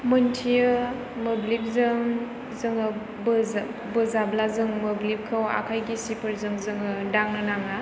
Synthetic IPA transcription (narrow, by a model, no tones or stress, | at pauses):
mɯntʰijɯ | mɯblip̚zɯŋ | zɯŋɯ | bɯ | bɯzablazɯŋmɯblip̚kʰɯwa̰kʰajɡisipʰɯɾzɯŋzɯŋɯdaŋnɯnaŋa